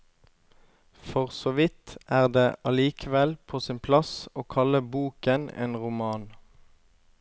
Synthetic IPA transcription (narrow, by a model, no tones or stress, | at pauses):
fɔʁsɔʋɪt̪ʔæːʁd̪eːʔɑliːkʰəʋɛlpʰoːsɪnpʰlɑsoːkʰɑləbuːkənḛːnʁʊmɑːn